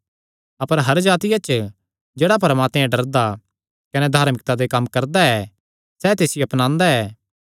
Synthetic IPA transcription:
ɐpəɾɦɐɾd͡ʒaːt̪ɪjat͡ʃ | d͡ʒeːɽap̬ɐɾəmaːt̪meɛ̃ɖɐɾd̪a | kɐnɛd̪ʱaːɾmɪk̚t̪ad̪ekɐmːkɐɾd̪aɛː | sɛt̪eːsɪjoɐpnãːnd̪aɛː

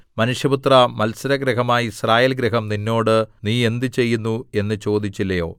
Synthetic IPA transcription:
mɐnuʂjɐbut̪rɐmɐlsɐɾɐɡɾiɦɐmaːjisraːje̞ːlɡɾiɦɐmninːo̞ːɽɨniːe̞nd̪ɨt͡ɕe̞jːunːue̞nːɨt͡ɕo̞ːd̪it͡ɕːilːɐjo̞ː

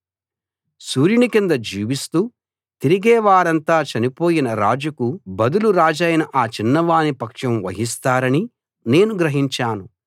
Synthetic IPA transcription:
suːɾjunikind̪ɐd͡ʒiːʋist̪uː | t̪iɾiɡɛːʋaːɾɐnt̪aːt͡ʃɐnipo̞ːjinɐɾaːd͡ʒukubɐd̪uluɾaːd͡ʒɐjnɐʔaːt͡ʃinːɐʋaːnipɐkʂɐmʋɐ̰ɦist̪aːɾɐni | ne̞ːnuɡɾɐɦiɲt͡ʃaːnu

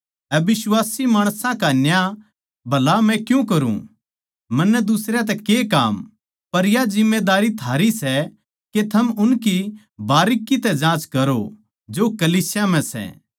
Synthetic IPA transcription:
ɛbɪswaːsimaːɽ̃sãkanja | bʱɐlamɛ̃kjũkɐɾṵ̃ | mɐnːɛd̪ʊsɾjat̪̬ɛkekaːm | pɐɾjad͡ʒɪmːed̪aːɾit̪ʰaːɾisɛ | ket̪ʰɐmʊnki | baːɾɪkːit̪ɛd͡ʒãːt͡ʃkɐɾo̰ | d͡ʒokɐliːsjam̤ɛ̃sɛ̰ː

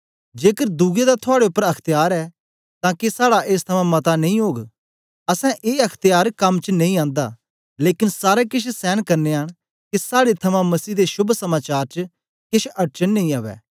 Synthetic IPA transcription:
d͡ʒeːkəɾd̪uːɡed̪at̪ʰʊaːɽeʊpːəɾɐkʰt̪ɪjaːɾɛː | t̪ãːkesaːɽaʔeːst̪ʰɐmãmɐt̪anɐ̃ĩɦoːɡ | ɐsɛ̃ʔeːɐkʰt̪ɪjaːɾkɐmt͡ʃnɐ̃ĩãːnd̪a̰ | leːkɪnsaːɾekɪt͡ʃʰsɛːnkɐɾneaɽ̃ | kisaːɽet̪ʰɐmãmɐsiːd̪eʃʊbʱsɐmaːt͡ʃaːɾt͡ʃə | kɪʃʰɐʈ̚t͡ʃənːɐ̃ĩːaːʋɛ̰ː

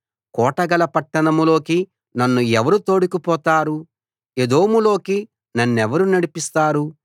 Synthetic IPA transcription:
kɔːʈɐɡɐlɐpɐʈːɐnɐmulo̞ːki | nɐnːuɛʋɐɾut̪o̞ːɽikupɔːt̪aːɾu | ed̪o̞ːmulo̞ːki | nɐnːɛʋɐɾunɐɽipist̪aːɾu

